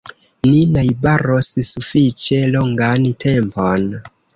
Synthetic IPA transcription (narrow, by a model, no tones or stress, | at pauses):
ninajbaɾossufit͡ʃe̞loŋɡantʰe̞mpon